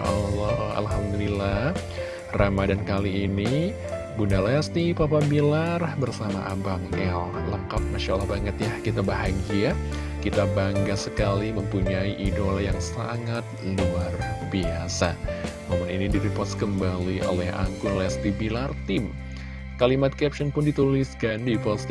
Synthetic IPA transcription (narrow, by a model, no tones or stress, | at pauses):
alɔa̰lɦamd̪ulilah | ramadankaliːni | bunalɛst̪ipapabilarbərsama̰ʔabaŋɛlləkap̚maʃaʔlːahbaŋət̪jahkit̪abaɦaŋɡia | kit̪abaŋɡasəkaliməmpuɲaiʔidolajaŋsa̰ŋat̪̚iluarbiasa | mamʊninidiɾipɔt̪skəmbaliʔo̰lɛhʔa̰ŋkʊnlɛst̪ibilart̪ɪm | kalimat̪̚kɛp̚sɔnpʊndit̪ulisɡandipɔts